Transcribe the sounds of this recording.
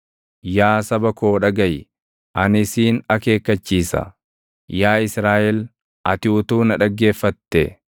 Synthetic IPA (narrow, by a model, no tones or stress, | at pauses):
jaːsɐbɐko̞ːᶑɐɡɐj | ʔɐnɪsiːnɐke̞ːkːɐt͡ʃːiːsɐ̰ | jaːɪsɾaːʔɛl | ʔɐt̪ɪʊt̪uːnɐᶑɐɡːe̞ːfːɐt̪ːɛ